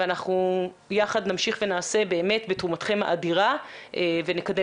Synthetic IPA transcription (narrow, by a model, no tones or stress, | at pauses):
eanaχnu | jaχadnamʃiχve̞naːse̞be̞ːme̞tbetʁumatχe̞ma̰ʔadiʁa | ʔevenekade